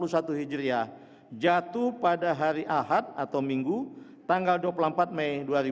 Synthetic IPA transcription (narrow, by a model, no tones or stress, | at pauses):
lusat̪uɦid͡ʒɾia | d͡ʒat̪uhpadaɦaɾiʔaɦat̪̚at̪awmiŋɡut̪aŋɡalduapulampat̪̚majduaɾi